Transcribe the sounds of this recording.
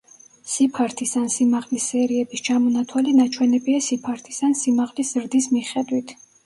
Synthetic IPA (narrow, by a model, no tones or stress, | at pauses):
sipʰaɾt̪ʰisansimaʁlisːɛɾiɛbist͡ʃʰamɔnat̪ʰwalinat͡ʃʰwɛnɛbiasipʰaɾt̪ʰi̥sansimaʁliszɾd̪ismiχɛd̪wit̪ʰ